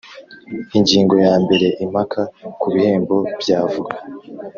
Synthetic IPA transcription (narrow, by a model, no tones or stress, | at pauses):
iɲɟiːŋɡo̞jaːmbe̞ɾe̞ʔimakʰakuβihe̞ːmbo̞bɟaːvuɡa